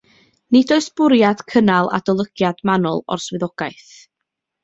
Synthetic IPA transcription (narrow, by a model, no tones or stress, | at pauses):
nɪdoɨsb̥ʊɾjad̥kʰənalˠa̰dɔlˠəɡ̥jad̥manɔ̰lˠɔ̰rswɨðɔɡ̥aɨθ